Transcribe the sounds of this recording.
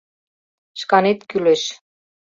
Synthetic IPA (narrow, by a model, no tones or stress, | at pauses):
ʃkɑnet̪kyleʃ